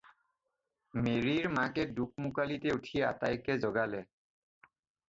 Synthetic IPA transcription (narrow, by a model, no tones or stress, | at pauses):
meɹiɹmakɛduk̚mukalitɛutʰiɛa̰ta̰jkɛzɔɡalɛ